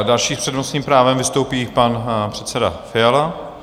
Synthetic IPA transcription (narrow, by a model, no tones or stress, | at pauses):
dalʃiːpr̥ɛdmosɲiːmpɾaːvɛmvɪst̪owpiːpanpr̥ɛt̪sɛda̰fɪjala